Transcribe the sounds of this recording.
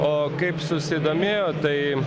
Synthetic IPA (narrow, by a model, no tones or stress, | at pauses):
oːkɐɪpsʊsʲɪd̪oːmʲeːjoːt̪ɐɪ